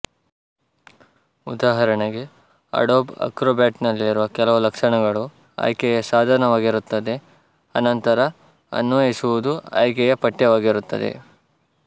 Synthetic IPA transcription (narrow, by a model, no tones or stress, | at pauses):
ud̪aːɦɐɾɐɳeɡe̞ | ɐ̰ɽoːbɐ̰kɾoːbjaːʈnɐlːiːɾuʋɐkɛlɐʋulɐkʂɐɳɐɡɐɭu | ɐ̰jkɛjɐsaːd̪ʱanɐʋaːɡiɾut̪ːɐd̪e̞ | ɐnɐnt̪ɐɾɐ | ɐ̰nːoesuʋud̪uɐ̰jkɛjɐpɐʈːjɐʋaːɡiɾut̪ːɐ̰d̪ḛ